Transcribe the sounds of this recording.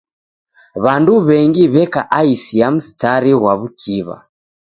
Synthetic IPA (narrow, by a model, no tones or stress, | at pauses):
βanduβɛŋɡiβɛkaʔaisiam̩si̥taɾiɣwaβukʰiβa̰